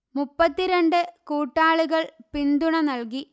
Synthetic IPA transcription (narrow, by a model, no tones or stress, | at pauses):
mupːɐt̪ːiɾeɳɖɨkuːʈːaːɭuɣɐɭpind̪uɳɐnɐlki